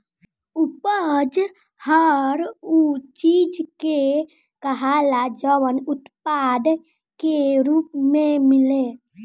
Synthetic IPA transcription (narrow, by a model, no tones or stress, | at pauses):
upəd͡ʒ | həɾut͡ʃid͡ʒke | kəɦalad͡ʒəwənʊt̪pad̪ | keɾupmẽmɪle